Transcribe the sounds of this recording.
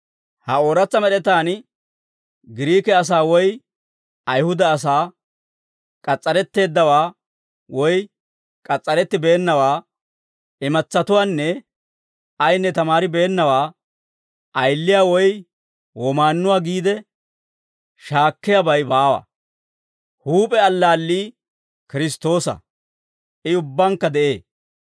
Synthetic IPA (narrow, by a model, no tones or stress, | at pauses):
hɐo̞ːɾɐt͡sːɐmɛɗɛt̪aːn | ɡɪɾiːkɛɐs̬aːwɔj | ɐjhʊd̪ɐːs̬aː | kʼɐt͡sʼːɐɾɛt̪ːe̞ːd̪ːɐwaː | wɔj | kʼɐt͡sʼːɐɾɛt̪ːɪbe̞ːnːɐwaː | ɪmɐt͡sːɐt̪ʊwaːnːɛ | ɐjnːɛt̪ɐmaːɾɪbeːnːɐwaː | ʔɐjlːɪjaːwɔj | wɔmaːnːʊwaːɡiːd̪ɛ | ʃaːkːɪjɐbɐjbaːwɐ̰ | huːpʼɛɐlːaːlːiː | kɪɾɪst̪o̞ːsɐ̰ | ʔɪʊbːɐŋkːɐd̪ɛʔe̞ː